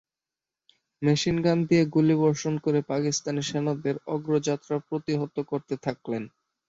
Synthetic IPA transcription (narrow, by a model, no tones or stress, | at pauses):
meʃinɡand̪ieɡuliβɔɾʃonkoɾepakist̪aniʃɛnod̪eɾɔɡɾod͡ʑat̪ːɾapɾot̪iɦot̪ːokoɾt̪et̪ʰaklen